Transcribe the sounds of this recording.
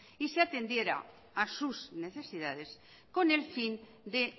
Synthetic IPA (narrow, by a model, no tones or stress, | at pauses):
iseat̪e̞nd̪je̞ɾa̰ | asuzne̞θe̞siðað̞e̞s | ko̞ne̞lfin | d̪e